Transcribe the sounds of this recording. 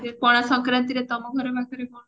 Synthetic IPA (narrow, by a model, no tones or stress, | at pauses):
epɔɽ̃asɔŋkɾant̪iɾet̪ɔmɔɡʱɔɾɔbʱakɔɾebɔ̃